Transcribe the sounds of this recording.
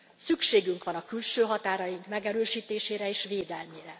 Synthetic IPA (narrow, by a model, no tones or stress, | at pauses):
sykʃeːɡyŋkʋɒnɒkylʃøːɦɒt̪aːɾɒjiŋkmɛɡɛɾøːʃiːt̪eːʃeːɾɛeːʃveːd̪ɛlmeːɾɛ